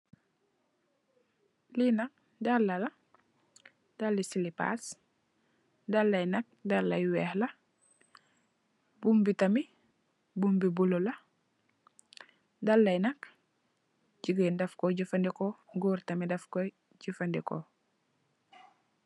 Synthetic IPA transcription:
linɐk̚ | dalːɐlɐ | d̥alːisilipa̰s | dɐlːɐjnɐk̚dalːɐjwɛːhlɐ | bumbitɐmi | bumbibulolɐ | dɐlːɐjnɐk | ɟiɡendɐfkoɟufɐndikoɡuːɾtɐmidɐfko | ɟufandiko̰

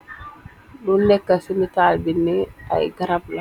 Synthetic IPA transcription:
dunːɛkːasimitaːlbinːia̰jɡɐɾabla

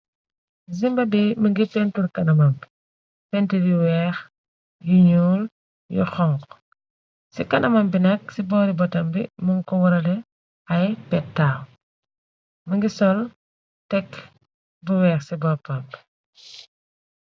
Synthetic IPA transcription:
zimbɐdiməŋɡipɛntuɾkɐnɐmɐmb | pɛntuɾiwɛːx | juɲuːl | jṵxɔŋk | sikɐnɐmɐmbinɐk̚sibɔːɾibɔtɐmbḭmuŋkɔwɐɾɐlɛ | ɐjpɛtːaːw | məŋɡisɔl | tɛkː | buwɛːxsibɔpɐmb

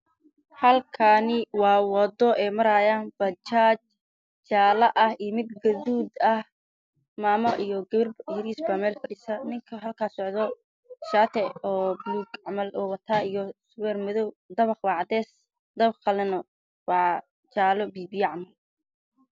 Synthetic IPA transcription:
hɐlkʰanɪwɑːwɑd̪ɔʔɛːmɐɾaːjaːnb̥ɐt͡ʃaːt͡ʃ | t͡ʃaːlɐʔɐhijmɪd̪̚ɡɐduːd̪ɐh | maːmɐʔijɔɡɐβɪrbjɪɾiːsbɐmɛːlfɐɖisɐnɪŋkʰɐɦɐlkʰaːsɔʕðɔ | ʃaːt̪ʰɛɔːbluːɡʕmɐlʔɔːwɐt̪ʰaːijɔsʊwɛrmɐðɔw | d̪ɐβɑχwɑʕd̪ɛːs | d̪ɐbχɑlɛnɔ | wɑʕ | t͡ʃaːlɔbiːbiɑʕmɐl

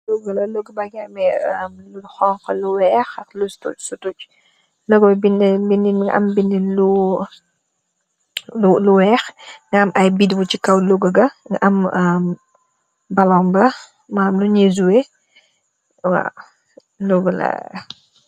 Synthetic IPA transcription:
luɡlɐluɡbaɡɛmɛəmluɡxɔŋqəluwɛːxɐklustusutuc | lɔɡbbinbiniʔɐ̰mbininlu | uluwɛːxŋɡɐmʔɐjbidbut͡ʃikɐwluɡəɡɐŋɡʔɐmm | bɐlɔmbɐ | maːmluɲezuwe | wa̰ | luɡəlɐ̰

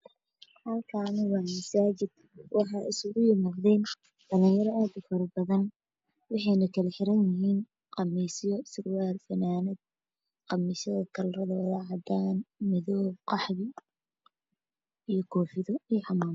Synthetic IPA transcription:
hɐlkʰɐnɪwɑːmɐsaːt͡ʃɪd̪ | wʔɑħɑːɪsʊɣʊjɪmɐqðɛːn | d̥ɐlɪŋjɐɾɔaːd̪ʊfɐɾɐbɐðɐn | wɑħɑjnɐkʰɐlɛħɪɾɐnjɪɦiːn | qɑmiːsjɔsɪrwaːlfɐnaːnɪd̪̚ | qɑmisɐðɐkʰɐlrɐðɐwɐðɑːʕɑd̪aːnmɪðɔːqɑħðɪ | ijɔkʰɔːħɪðɔijħɑmaːm

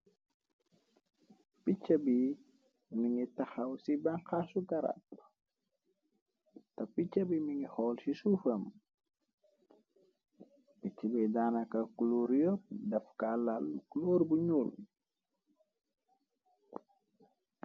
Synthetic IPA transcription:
pit͡ʃːɐbi | miŋitɐxɐwsibaŋxasukaɾa̰p | tɐpicːɐbimiŋihɔlsisufəm | pit͡ʃːibɛdaːnakakuloɾjɔp̚dɐfkalalukuloɾbuɲul

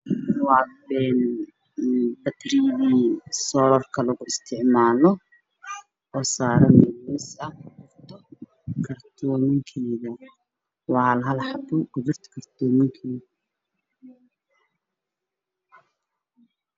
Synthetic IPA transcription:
wɑːbɛːn | bɐt̪rɪðiːsɔːlɔrkʰɐlɐɣʊɪst̪ʰɪʕmaːlɔ | ɔːsaːɾɐnɪɪsɐʊrt̪ʰɔ | kʰɐrt̪ʰɔːmɪŋkʰɛːðɐ | wɑːlɦɐlħɑbɔɡʊðʊrt̪ʰkʰɐrt̪ʰɔːmɪŋkʰɛːð

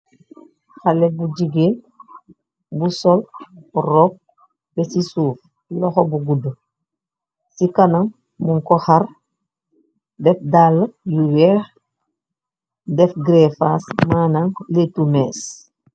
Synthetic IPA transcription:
xalebuɟiɡeːn | busolɾop̚ | besisuːf | lɔxobuɡudu | sikanaŋ | muŋkɔhaɾ | dɛfdaləjuweɾ | dɛfɡɾefasmaːnaŋletumes

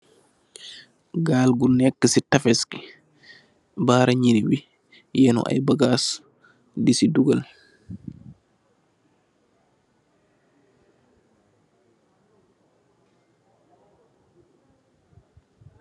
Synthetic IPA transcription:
ɡaːlɡunɛkːəsitafɛski̥ | baːɾaɲiniwi | jɛnɔ̰ʔa̰jbaɡas | disiduɡal

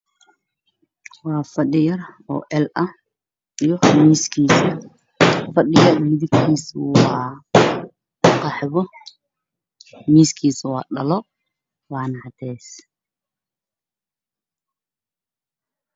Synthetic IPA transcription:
wɑːfɐɗɪjɐrɔ̰ːʔɛlʔɐ | ijɔmiːskʰiːsɐ | fɐɗɪjɐrmɪðɪɡkʰiːswɑː | qɑħβɔ | miːskʰiːsɐwɑːɖɐlɔ | wɑːnɐhɑt̪ʰɛːs

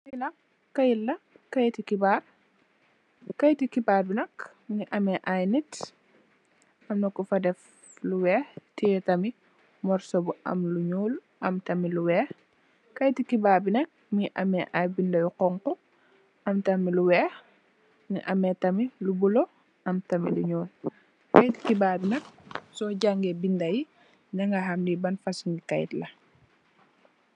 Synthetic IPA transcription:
ilɐ | kɐjilːɐ | kɐjtikibar | kɐjtikibaːrbinɐk | miʔɐmɛʔajnit | ʔɐmnɐkːufɐdɛf | luwɛːhtijɛtɐmi | mɔɾsɔbuʔɐ̰mluɲuːl | ʔɐmtɐmiluwɛːx | kɐjtikibaːɾbinɐk̚miʔɐmɛʔabindɐjuqɔŋkɔ | ʔɐmtɐmiluwɛːx | miʔɐmɛtɐmilubulɔ | ɐmtɐmḭluɲɔːl | kɐjti̥kibaːbinɐk̚sɔɟaŋɡebindɐji | nɐŋɡɐɦɐmdibɐnfɐsuŋɡikɐjtlɐ

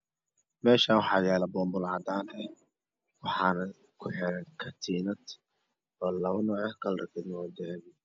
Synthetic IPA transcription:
mɛːʃaːwɑħɑːjaːlɐbɔːmbʊlɑd̪aːnɛ | wɑħɑːnɐ | kʰʊħɛɾɛnkʰɐt̪ʰiːnɐd̪ | ɔːlɐʊnɔʕɐhkɐlɾɐ̰kʰɪd̪nɔd̪ɛβɪ

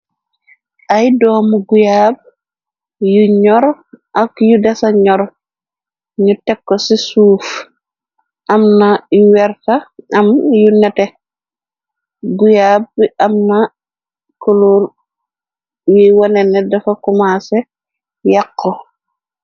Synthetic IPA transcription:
ʔajdɔːmuɡujaːb̚ | juɲɔɾʔakjudasaɲɔɾ | ɲutɛkːosisuːf | ʔɐmnajuwɛɾtaɐmjunɛte | ɡujaːb̚ʔamna | koloɾ | wiwanɛnːɛdɐfakumase | jakːo

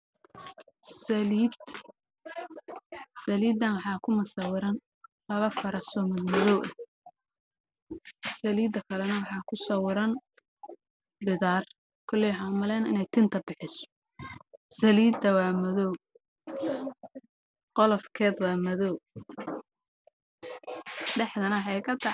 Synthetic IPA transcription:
sɐliːd̪ | sɐliːd̪ːɐnwɑħɑːkʰʊmɐsɐwɪɾɐn | lɐβɐfɐɾɐsɔːmɐd̪mɐðɔwʔɐ | sɐliːd̪ːɐkʰɐlɛnɐwɑħɑːkʰʊsɐwɪɾɐn | bɪðaːr | kʰʊlijħɑmʊlɛːnɪ̰nɛjt̪ʰɪnt̪ʰɐbɪħɪsɔ̥ | sɐliːd̪ɐwɑːmɐðɔw | qɔlɔfkʰɛːd̪wɑːmɐðɔw | ɖɛħd̪ɐnɐwħɑjkʰɐt̪ʰɑ

